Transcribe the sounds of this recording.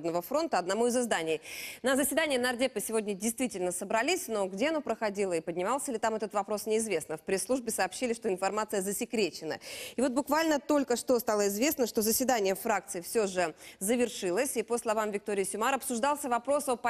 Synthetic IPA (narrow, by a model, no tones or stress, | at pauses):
b̪nəvəfɾo̞nt̪əɐd̪nɐmuɪzɨzd̪anʲɪjnəzəsʲvʲɪd̪anʲɪjənɐrdʲepːəsʲɪvo̞dʲnʲədʲɪjst̪vʲitʲɪlʲnəsəbɾɐlʲisʲno̞ɡdʲe̞ɐnopɾəxɐdʲilˠəɪpədʲnʲɪmaɑlˠsʲəilʲɪt̪amɛt̪ət̪vɐpɾo̞snʲɪːzvʲe̞snəfpɾʲeslˠuʐbʲɪsəɐːpɕːilʲɪʂt̪oɪnfɐrmat̪sɨjəzəsʲɪkɾʲet͡ɕːɪnə̰ɪvo̞t̪̚bʊkvalʲnət̪o̞lʲkəʂt̪ost̪alˠəɪzvʲesnəʂt̪o̞zəsʲvʲɪd̪anʲɪjəfɾak̚t̪sɨɪfsʲoʐɨzəvʲɪrʂɨlˠəsʲipəslˠɐvamvʲɪk̚t̪o̞ɾʲɪjsʲʊmaɾɐpsʊʐd̪ɑlˠsʲəvɐpɾo̞sopɐ